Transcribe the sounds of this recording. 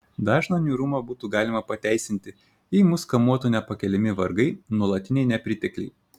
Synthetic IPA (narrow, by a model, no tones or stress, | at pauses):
d̪ɑːʒnɐnʲuːɾumɐbuːt̪uːɡɑːlʲɪmɐpɐt̪ʲæˑɪsʲɪnʲt̪ʲɪ | iːmʊskɐmuɔt̪uːnʲɛpɐkʲɛlʲɪmʲɪʋɐɾɡɐɪnuɔlˠɐt̪ʲɪnʲɛɪnʲɛpʲɾʲɪt̪ʲɛklʲɛɪ